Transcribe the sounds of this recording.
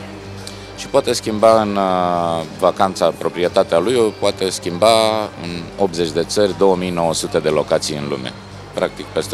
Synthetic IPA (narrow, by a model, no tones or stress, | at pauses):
ʃi̥poat̪e̞skʲimbaɨn | vakant̪sapɾo̞pɾije̞t̪at̪ealujopoat̪e̞skʲimbaɨ̰no̞p̪̚ze̞t͡ʃʲd̪e̞t̪sərʲd̪o̞wəmijno̞wəsut̪e̞d̪e̞lo̞kat̪sijɨnlṵme̞̰ | pɾak̚t̪ikpe̞st̪